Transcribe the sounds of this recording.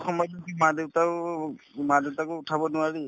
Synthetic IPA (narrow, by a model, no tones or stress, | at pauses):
xɔmɔjtɔsimadewta | madewtakʊʊtʰabɔnʊaɹi